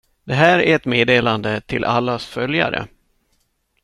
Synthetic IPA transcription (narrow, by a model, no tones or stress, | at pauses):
d̪̥ɛɦæːɾæɾɛt̪meːd̪eːland̪ət̪ʰɪlʔalːasfœlja̰ɾə̰